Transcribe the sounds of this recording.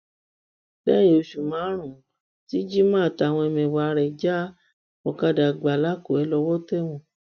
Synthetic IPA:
bɛː˦j̃ĩ˧˨o˧ʃu˨mãː˨˦ɾ̃ũ˨ | ti˦d͡ʒi˦mã˦˨ta˧˨w̃ɔ̃˧ɛ˧mɛ̃˨wa˨˧ɾɛ˨d͡ʒa˦ | ɔ˨ka˧˨da˨ɡ͡ba˨la˦ko˨ɛ˨˧˦lɔ˧wɔ˦tɛ˦w̃ɔ̃˨

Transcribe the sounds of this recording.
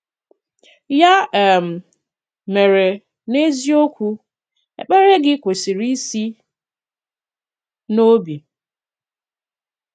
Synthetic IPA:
ja˦˨m̩˨ | me˨ɾe˨ | ne˦zi˦o˦kʷu˦ | ḛ˨k͡pe˦ɾe˦ɡɪ˦kʷe˨si˨ɾi˦si˦ | no˦bi˨

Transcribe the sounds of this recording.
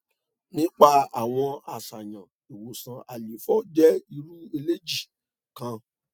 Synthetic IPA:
nĩ˨˦k͡pa˦˨a˨w̃ɔ̃˧a˨sa˨jã˨ | e˨wo˨sã˨˦ʔa˨li˨˦fɔ˦d͡ʒɛ˦i˧ɾu˦e˧le˦d͡ʒi˦˨ | kã˧

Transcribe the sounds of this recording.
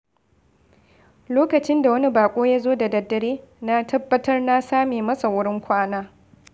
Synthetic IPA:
loː˦kɐ˨t͡ʃɪ˦nda˨wɐ˦ni˦baː˨kʷʼoː˦jaː˦zoː˦da˨dɐ˨dːɐ˨ɽeː˦na˦tʰɐ˦bːɐ˦tɐ˦rna˦saː˦meː˨mɐ˦sa˨wʊ˦ɽɪ˦ŋkʷaː˦naː˦

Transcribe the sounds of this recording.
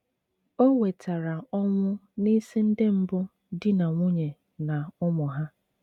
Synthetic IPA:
o˦we˨tʰa˨ɾa˨ɔ˦ŋʷʊ˦ni˦si˦n̩˦de˦m̩˦bʊ˦ | dɪ˦na˨ŋʷʊ˦ɲe˨ | na˨ʊ˦mɔ˨ɦa˦

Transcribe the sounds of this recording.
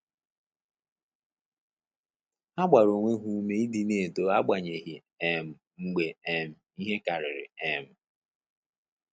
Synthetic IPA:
a˦ɡ͡ba˨ɾo˨ŋʷe˦ɦu˨˦me˦i˦di˦˨ne˨do˨a˦ɡ͡ba˨ɲe˨ɦi˨ | e˦m̩˨ | ŋ͡m̩˦ɡ͡be˨e˦m̩˨i˦ɦe˦ka˨ɾɪ˨ɾɪ̰˨ɛ˦m̩˨

